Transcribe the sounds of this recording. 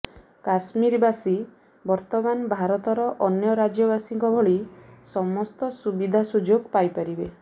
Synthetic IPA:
kasmiɾbasi | bɔɾt̪ɔmanbʱaɾɔt̪ɔɾɔʔɔnjɔɾad͡ʒjɔbasiŋkɔbʱɔɭisɔmɔst̪ɔsubid̪ʱasud͡ʒoɡpajpaɾibe

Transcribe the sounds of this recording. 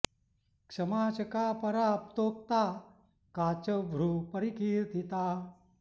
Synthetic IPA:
kʂɐmaːt͡ʃɐkaːpɐɾaːp̚t̪oːk̚t̪aː | kaːt͡ʃɐbʱɾupɐɾikiːɾt̪ʰit̪aː

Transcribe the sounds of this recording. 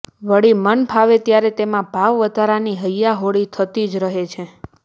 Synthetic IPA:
ʋəɽimənpʰaʋet̪jaɾet̪emãbʱaʋʋəd̪ʱaɾaniɦəjːaɦoɽit̪ʰət̪id͡ʒɾəɦet͡ʃʰe

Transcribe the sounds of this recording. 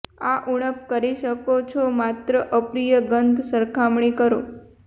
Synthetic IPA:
aʔuɽ̃əp̚kəɾiʃəkot͡ʃʰomat̪ɾəʔəpɾijəɡənd̪ʱsəɾkʰamɳikəɾo

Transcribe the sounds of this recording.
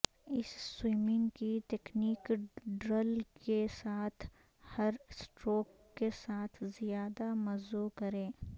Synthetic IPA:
ɪsːwiːmɪ̃ŋɡkit̪ekniːkɖɾəlkesaːt̪ʰ | hɐɾsʈɾoːkːesaːt̪ʰzijaːd̪amɐzokɐɾẽː

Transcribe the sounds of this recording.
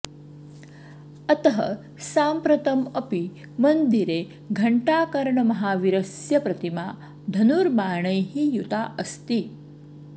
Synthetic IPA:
ɐt̪ɐɦɐ̰ | saːmpɾɐt̪ɐmɐpi | mɐnd̪iɾe | ɡʱɐɳʈaːkɐɾɳɐmɐɦaːʋiɾɐsjɐpɾɐt̪imaː | d̪ʱɐnuɾmaːɳɐjɦijut̪aːʔɐst̪i

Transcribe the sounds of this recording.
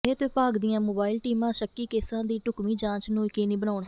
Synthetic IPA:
eːt̪eːpaːɡd̪ɪjãːmoːbaːɪlʈiːmãːʃəkːiːkeːsãːd̪iːʈʊkmiːd͡ʒãːt͡ʃnũːkeːnĩːbənaːɳ

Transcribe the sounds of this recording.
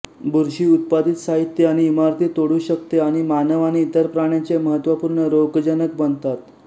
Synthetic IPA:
bʱuɾɕiːut̪̚pad̪it̪saɦit̪ːjəaɽ̃iːmaɾt̪ʰiːt̪oɽuːɕəkt̪eaɽ̃imanəʋañiːt̪əɾpɾaɽ̃jat͡seməɦət̪ʋapuːɾɳəɾokd͡ʑənəkbənd̪t̪at̪

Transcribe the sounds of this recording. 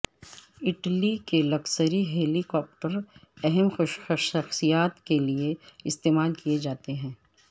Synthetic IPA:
ɪʈlikelɐksəɾiɦeːlikɔːp̚ʈəɾɛɦɛmxoʃɐʃʃɐxsijaːt̪kelieɪst̪eːmaːlkied͡ʒaːt̪eɦɛ̃ː

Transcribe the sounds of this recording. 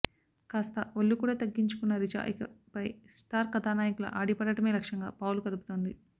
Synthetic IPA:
kaːst̪ɐʋɐlːukuːɽaːt̪ɐɡːiɲt͡ʃu̥kunːɐɾid͡ʒa̰ːʔikɐpɐjsʈaːɾkɐt̪aːnaːjɐkulɐ̰ʔaːɽipɐɽɐʈɐmeːlɐkʂɐŋɡa̰ːpaːwlukɐd̪uput̪oːnd̪i

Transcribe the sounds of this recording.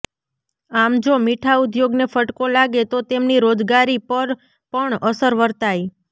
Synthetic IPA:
amd͡ʒomiʈʰaʊd̪joɡnefəʈkolaɡet̪ot̪emniɾod͡ʒɡaɾipəɾ | pəɳəsəɾʋəɾt̪aj

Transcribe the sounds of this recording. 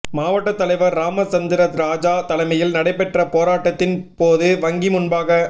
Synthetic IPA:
maːʋɐʈːɐt̪ːɐlɐɪʋɐɾːaːmɐt͡ʃɐnd̪ɪɾɐt̪ɾaːd͡ʒaːt̪ɐlɐɪmɐjɪlnɐɽɐɪpːɛʈrɐpoːɾaːʈːɐt̪ːɪnpoːðɯʋɐŋɡimʊnbaːɣɐ

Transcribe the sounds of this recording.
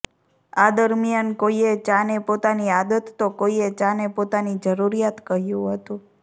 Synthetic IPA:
ad̪əɾmjankoiet͡ʃãnepot̪aniad̪ət̪ːokoiet͡ʃãnepot̪anid͡ʒəɾuɾijat̪kəɦjũɦət̪ũ

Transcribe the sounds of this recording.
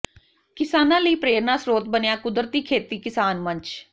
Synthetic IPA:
kɪsaːnãːləiːpɾeːɾnãːsɾoːt̪̚bənɪjaːkʊd̪ɾt̪iːkʰeːt̪iːkɪsaːnmə̃ɲt͡ʃ

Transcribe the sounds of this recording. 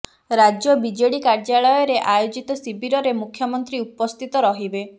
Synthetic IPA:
ɾad͡ʒjɔbid͡ʒeɽikaɾd͡ʒaɭɔjɔɾeʔajod͡ʒit̪ɔsibʱiɾɔɾemukʰjɔmɔnt̪ɾiupɔst̪ʰit̪ɔɾɔɦibe

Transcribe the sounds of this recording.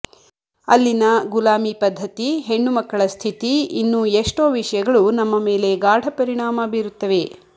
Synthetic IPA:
ɐlːinɐɡulaːmipɐd̪ʱːɐt̪iɦeɳːumɐkːɐɭɐst̪ʰit̪iinːuːeʂʈoːʋiʂɐjɐɡɐɭunɐmːɐme̞ːle̞ɡaːɽʱɐpɐɾiɳaːmɐbiːɾut̪ːɐʋe̞

